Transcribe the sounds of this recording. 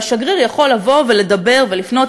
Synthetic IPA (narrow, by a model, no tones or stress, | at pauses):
ʃaɡʁiʁjaχo̞lːavo̞ve̞le̞d̪ɐbe̞ʁve̞lifno̞t